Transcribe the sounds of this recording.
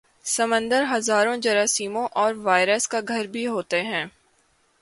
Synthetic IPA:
sɐmə̃nd̪əɾɦɐzaːɾõd͡ʒɐɾaːsiːmõʔɔːɾʋaːɪɾəskaɡʱɐɾbʱiɦoːt̪eɦɛ̃ː

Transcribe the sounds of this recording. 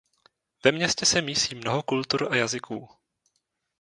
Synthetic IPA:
vɛmɲɛscɛsɛmiːsiːmnoɦokult̪uɾʔajazɪkʰuː

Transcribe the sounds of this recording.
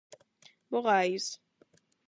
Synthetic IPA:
bʊɣajis

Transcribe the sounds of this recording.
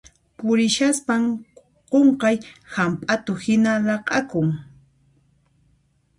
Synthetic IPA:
pʊɾɪʃaspam | qoɴqɑjhampʼat̪ʊhɪnaɾɑqɑkʊŋ

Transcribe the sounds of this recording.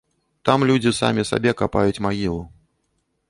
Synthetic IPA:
t̪amlʲud͡zʲisa̰mʲisa̰bʲɛkapa̰jut͡sʲmaɣʲilˠu

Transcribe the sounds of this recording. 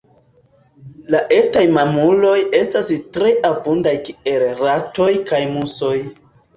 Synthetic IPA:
laʔe̞tajmamulo̞je̞stastɾe̞ʔabundajkielɾato̞jkajmuso̞j

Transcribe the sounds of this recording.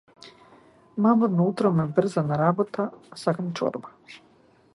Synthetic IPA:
mamanut̪ɾomebr̩zanaɾabot̪asakamt͡ʃo̰ɾbḁ

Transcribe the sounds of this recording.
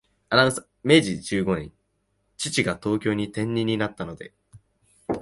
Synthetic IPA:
anasa | me̞ʑid͡ʑɨːɡo̞ɲʲḭ̃ | t͡ɕit͡ɕiɡat̪o̞ːkʲo̞ːɲ̟it̪ẽ̞ɲ̟ʲːiɲ̟inat̪ːano̞d̪e̞̰

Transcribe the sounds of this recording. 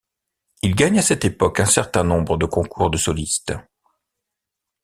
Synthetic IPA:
ilɡaɲasɛt̪epɔkɛ̃sɛʁt̪ɛ̃nɔ̃bʁəd̪əkɔ̃kʰuʁd̪əsɔlist̪

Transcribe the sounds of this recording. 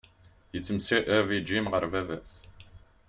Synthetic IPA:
jət͡sːəmsiʔəvid͡ʒimʁəɾvævæs

